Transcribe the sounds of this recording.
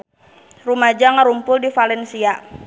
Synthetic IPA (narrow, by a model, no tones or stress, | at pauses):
rumad͡ʒaŋəɾumpʊldifalɛnsia